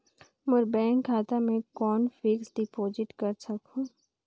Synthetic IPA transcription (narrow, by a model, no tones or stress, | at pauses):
mʊɾbɛːŋkʰːaːt̪amẽkɔːnfɪksɖɪpoːzɪʈkɐɾsɐkũː